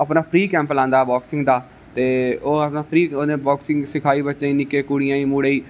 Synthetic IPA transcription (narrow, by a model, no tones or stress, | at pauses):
əpnaːpʰɾiːkɛ̃ːmplãːnd̪aːbɔːksɪ̃ŋɡd̪aː | t̪eːoːəpnaːpʰɾiːoːnẽːbɔːksɪ̃ŋɡsɪkʰaːiːbətːʃãːĩːnɪkːeːkʊɽɪjãːĩːmuːɽeːiː